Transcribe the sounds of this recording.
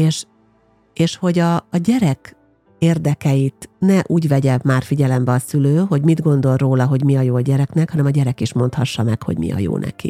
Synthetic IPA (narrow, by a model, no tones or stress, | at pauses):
eːʃ | eːʃho̞ɟɒːɟɛɾɛk | eːrd̪ɛkɛjit̪nɛʔuːɟʋɛɟɛmaːrfiɟɛlɛmbɛɒsyløːɦo̞ɟmid̪ɡo̞nd̪o̞lroːlɒɦo̞ɟmiɒjoːɟɛɾɛknɛkhɒnɛmɒɟɛɾɛkiʃmo̞nt̪hɒʃːɒmɛkho̞̰ɟmḭɒ̰jo̰ːnɛ̰kḭ